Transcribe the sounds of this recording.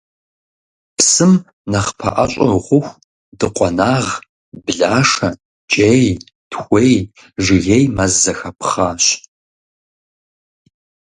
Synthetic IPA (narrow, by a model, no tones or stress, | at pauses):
psɨm | nɐχpʰɐ̰ʔɐɕʼɐʁʷʊxʷ | dɨqʷʼɔnaːʁ | bɨɮaːʂɐ | t͡ʃʼej | d̥xʷej | ʒɪɣejmɐzːɐxɐpʰχaːɕ